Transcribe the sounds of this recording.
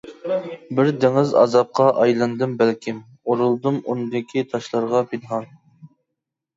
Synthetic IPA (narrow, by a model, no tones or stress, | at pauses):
bɪɾd̪ɪŋɪzɑ̰zɑp̚qʰɑʔɑjlˠɨnd̪ɨmbælkʲʰim | oɾulˠd̪ɨmunɨd̪ɪkʲʰit̪ʰɑʃlˠɑɾʁɑpʰɪnɦɑn